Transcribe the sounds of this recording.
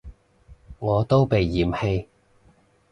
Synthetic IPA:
ŋɔː˨˧t̪o˥wpe˨jːiː˨˩mhe˧j

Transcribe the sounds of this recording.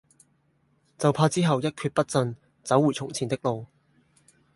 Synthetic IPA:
t͡sɐ˨wpʰaː˧t͡siː˥ɦɐ˨wjɐ˥t̚kʰyː˧t̚pɐ˥t̚t͡sɵ˧n | t͡sɐ˨˥wuː˨˩t͡sʰʊ˨˩ŋt͡sʰiː˨˩nt̪ɪ˥k̚lo˨w

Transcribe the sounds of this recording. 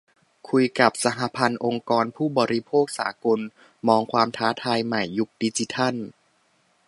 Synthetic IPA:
kʰu˧jka˨˩p̚sa˧˦ɦa˧˦pʰa˧nʔo˧ŋkɔː˧npʰuː˥˩bɔː˧ɾi˦˥pʰoː˥˩k̚sa̰ː˩˦ko˧n | mɔː˧ŋkʰwaː˧mt̪ʰaː˦˥t̪ʰaː˧jma˨˩jːu˦˥k̚di˧˥t͡ɕi˧˦t̪ʰa˥˩n

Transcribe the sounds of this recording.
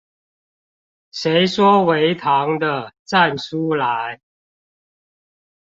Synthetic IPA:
ʂe˨˥ɪʂwɔ˦˥we˨˦ɪt̪ʰɑ˨˦ŋd̪ə˧t͡sa˥˨nsu˦la˨˦ɪ

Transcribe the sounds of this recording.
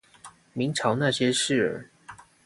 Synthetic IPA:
mi˨˦ŋʈ͡ʂʰɑ˧˥ʊna˥˨ɕjɛ˥ʂɻ̩˥˩ə̰˨˧˥

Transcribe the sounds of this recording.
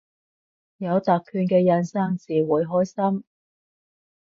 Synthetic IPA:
jɐ˨˧wt̪aː˨kʰːyː˧nkɛː˧jɐ˧nsa˥ŋt͡siː˨wuː˨˧jɦɔː˥jsɐ˥m

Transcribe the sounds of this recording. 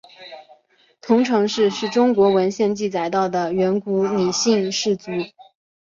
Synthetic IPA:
t̪ʰʊ˧˥ŋʈ͡ʂʰɤ˧˥ŋʂɻ̩˥˧ʂɻ̩˥˩ʈ͡ʂʊ˥ŋkwɔ˧˥wə˧˥nɕjɛ˥˧nt͡ɕi˥˩t͡sa˨˩ɪt̪ɑ˥˩ʊd̪ə˩ɥɛ˧˥nku˧˥ni˨˩ɕi˥˧ŋʂɻ̩˥˩t͡su˧˥

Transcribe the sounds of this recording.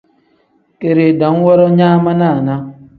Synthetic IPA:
ke˨ɾe˨dɔ˨˦n̩˦wɔ˦ɾɔ˦ɲaː˦ma˦na˦˨na˦

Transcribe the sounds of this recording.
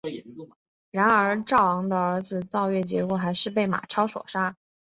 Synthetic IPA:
ɻa˧˥nə˞˧˥ʈ͡ʂɑ˥˩ʊwɑ˧˥ŋd̪ə˧ə˞˧˥d͡zɹ̩˧t͡sɑ˥˧ʊɥɛ˥˩t͡ɕjɛ̰˧˥kwɔ˥˩xa˧˥ɪʂɻ̩˥˧p̬e˥˩ɪma̰˨˩ʈ͡ʂʰɑ˥ʊʂwɔ̰˨˩ʂa˥

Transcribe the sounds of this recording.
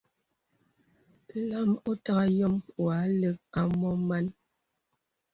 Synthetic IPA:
la˦mɔ˦ta˦ɣa˦jɔ˦mwa˨˦lə˦k̚a˦mɔ˦ma˦n

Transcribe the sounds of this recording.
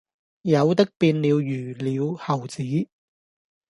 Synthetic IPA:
jɐ˨˧wt̪ɪ˥k̚piː˧nli˨˧wjyː˨˩liː˨˧whɐ˨˩wt͡siː˨˥

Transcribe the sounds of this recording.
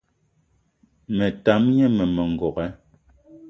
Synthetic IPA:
mɛ˨ta˨˦mɲɛ˦mɛ˨mɛ˨ŋ̩˨ɡɔ˨kɛ˦

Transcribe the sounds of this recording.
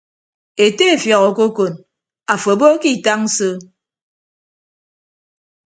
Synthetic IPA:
e˨te˦e˨fjɔ˨ɣɔ˨ko˦ko˨n | a˨fo˨bo˦ki˦˨ta˦ŋ̩˦sɨ˦

